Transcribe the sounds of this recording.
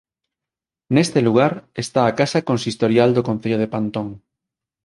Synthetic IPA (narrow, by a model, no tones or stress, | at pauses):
nest̪eluɣ̞aɾest̪aːkasakonsist̪oɾjald̪okõn̟θeʎoð̞epant̪õŋ